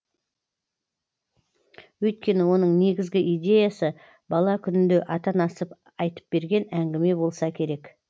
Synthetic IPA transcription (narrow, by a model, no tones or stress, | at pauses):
wɵjt̪̚kʲe̞nɪwo̞nəɴne̞ɡʲɪzɡʲɪʔijd̪ʲe̞jasə | bɑlˠɑkʲʰʏnɪnd̪e̞ʔɑt̪ɑnɑsəp | ɑjt̪ə̥p̚b̥e̞ɾɡʲe̞næŋɡʲɪme̞bo̞lˠsɑkʲʰe̞ɾe̞k